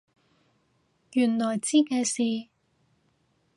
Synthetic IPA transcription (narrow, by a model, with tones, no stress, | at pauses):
jyː˨˩nlɔː˨˩jt͡siː˥kɛː˧siː˨